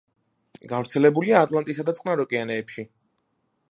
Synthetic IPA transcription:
ɡavɾt̪sʰɛlɛbuliaːt̪ʼlˠant̪ʼisad̪at̪sʼqʼnaɾɔkʼɛanɛːpʃi

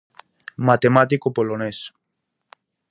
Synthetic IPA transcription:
mat̪emat̪ikopolones

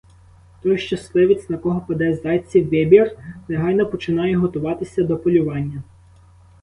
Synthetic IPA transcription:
t̪ɔjʃt͡ʃɐslˠɪʋʲit͡sʲnɐkɔɦɔpɐd̪ɛzd̪ɑjt͡sʲːiwʋʲɪbʲirneɦɑjnɔpɔt͡ʃɪnɑjɛɦɔt̪ʊʋɑt̪ɪsʲɐd̪ɔpɔlʲʊʋɑnʲːɐ

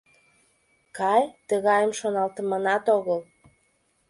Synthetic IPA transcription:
kɑjt̪əɣɑjəmʃonɑlt̪əmənɑt̪oɣəl

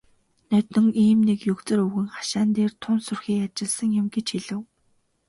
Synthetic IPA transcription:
nœt̪ɵ̆ŋiːmnekjɵkt͡sɘ̆ɾɵwɣɘ̆ŋχḁʃaːnt̪eːrt̪ʰʊnsɵrxiːkat͡ɕɪ̆ɮsə̆ŋjʊ̆mɡet͡ɕxiɮɘ̆w

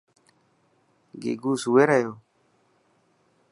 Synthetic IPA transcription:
ɡḛɡusuweɾajo

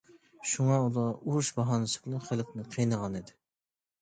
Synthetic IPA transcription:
ʃuŋɑulˠɑuɾuʃbɑɦɑnɨsɨ̥plˠɨχəlˠqnɨqʰijnəʁɑnid̪ɪ

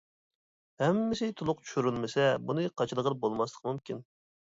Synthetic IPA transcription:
hɛmːɪsɪt̪ʰulˠʊqt͡ʃʰy̥ʃyɾylmɪsɛbunɨqʰɑt͡ʃʰlˠəʁənbolˠmɑslˠə̥qʰmumkʲʰin

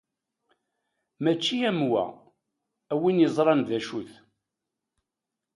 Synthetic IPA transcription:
mæt͡ʃːiæmwæ̰ | æwinjəzˤɾˤɑnðæʃuθ

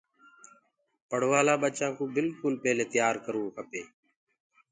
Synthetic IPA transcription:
pəɽ̤ʋaːlaːɓət͡ʃãːkũːbɪlkʊlpeːleːt̪jaːɾkəɾũːkʰəpeː

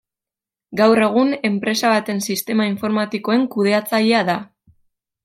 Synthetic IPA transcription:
ɡawre̞ɣ̞une̞mpɾe̞saβat̪e̞nsist̪e̞maiɱfo̞ɾmat̪iko̞e̞ŋkuð̞e̞at͡saʎeaða

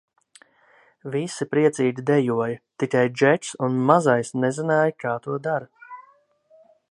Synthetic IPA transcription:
visipɾiɛt̪siːd̪ʲid̪ɛjuɔjɐt̪ikajd͡ʒɛt͡ʃsunmazajsnɛzinaːjkaːt̪uɔd̪aɾɐ

